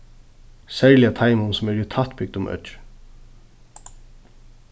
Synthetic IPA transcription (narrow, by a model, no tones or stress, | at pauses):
sɛɹlɪjat̪ʰajmʊnsʊmɛɹɪt̪ʰat̪bɪɡ̚d̪ʊmʔœ̰t͡ʃ